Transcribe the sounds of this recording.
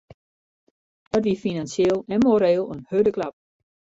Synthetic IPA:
ətʋifinansjelˠɛnmoɾɛːlˠønhødəkʰlap̚

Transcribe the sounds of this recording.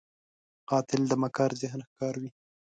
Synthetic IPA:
qɑt̪ɪld̪əmakɑːɾzɪɦənxkɑɾwi

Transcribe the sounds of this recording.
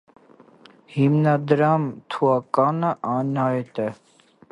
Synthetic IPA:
himnad̪ɾaːmt̪ʰuakanaʔaːnaːet̪ɛ

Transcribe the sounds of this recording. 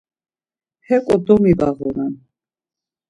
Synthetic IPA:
hɛkʼɔd̪ɔmivaʁɔnan

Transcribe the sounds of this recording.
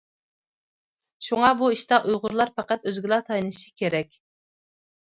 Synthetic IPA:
ʃuŋɑbuiʃt̪ɑʔujʁʊɾlˠɑɾpɑqæt̪øzɡʲilˠɑt̪ʰɑjnɨ̥ʃi̥kʲʰeɾɛkʲ

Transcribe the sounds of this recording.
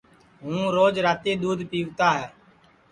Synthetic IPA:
ɦũːɾoːd͡ʒɾaːt̪eːɗ̪uːd̪piːʋt̪aːɦɛː

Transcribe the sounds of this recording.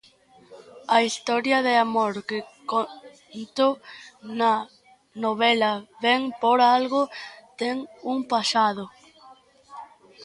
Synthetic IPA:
ɐist̪ɔɾjɐðeamoɾkeko | nt̪onɐ | noβɛlɐβeŋpoɾalɣot̪ɛŋuŋpasaðo

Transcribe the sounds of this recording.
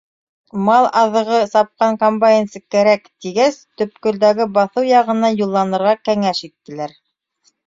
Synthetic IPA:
mɑlˠʔɑðɤ̆ʁɤsɑp̚qɑŋkombajensɤkæɾækt̪iɡæst̪ɵ̆p̚kɵ̆ld̪æɡɘbɑθɤwjɑʁɤ̆nɑjulˠːɑnɤ̆ɾʁɑkæŋæʃit̪ːɘ̆læɾ

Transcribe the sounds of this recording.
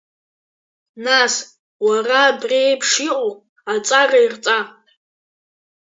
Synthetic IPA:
nas | waraːbrepʰʂiqʼo | at͡sʼarairt͡sʼa

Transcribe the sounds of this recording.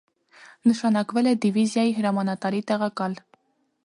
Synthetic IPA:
nəʃɑnɑkvɛlɛd̪ivizjɑjiɦəɾɑmɑnɑt̪ɑɾit̪ɛʁɑkɑl

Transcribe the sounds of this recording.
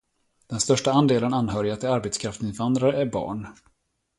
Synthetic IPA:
d̪̥ɛnst̪œʂʈaand̪eːlənanːɦœːɾɪat̪ʰɪlaɾbet̪skʰɾaft̪ɪnvand̪ɾaɾəæɾbɑ̰ːɳ

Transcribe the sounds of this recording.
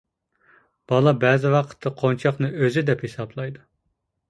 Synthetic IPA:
b̥ɑlˠɑbɛːzɪwɑqʰə̥t̪ʰːɑqʰont͡ʃʰɑqnɨøzɪd̪ɛphesɑblˠɑjd̪u

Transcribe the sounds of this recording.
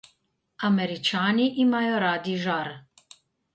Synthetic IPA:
amɛɾit͡ʃaːniʔimajɔɾaːd̪iʒaɾ

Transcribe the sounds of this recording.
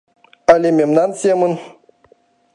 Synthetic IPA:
alʲemʲemnansemɨn

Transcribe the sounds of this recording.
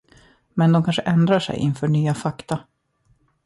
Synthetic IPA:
mɛnd̪ɔmkʰanʂəʔɛnd̪ɾaʂɛ̰jʔɪ̰nfœːɳyːafakt̪a

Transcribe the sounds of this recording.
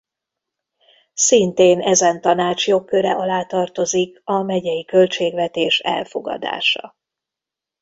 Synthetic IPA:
sint̪eːnɛzɛnt̪ɒnaːt͡ʃjo̞kːø̞ɾɛʔɒlaːt̪ɒrt̪o̞zikɒmɛɟɛjikølt͡ʃeːɡvɛt̪eːʃɛ̰lfo̞ɡɒ̰d̪a̰ːʃɒ̰

